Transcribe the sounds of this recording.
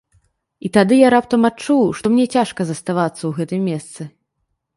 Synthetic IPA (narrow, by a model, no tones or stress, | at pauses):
it̪ad̪ɨjaɾap̚t̪ɐmat͡ʂuwʂt̪ɔmnʲɛt͡sʲaʂkɐzɐst̪avat̪sːɐwɣɛt̪ɨmʲːɛst̪sɨ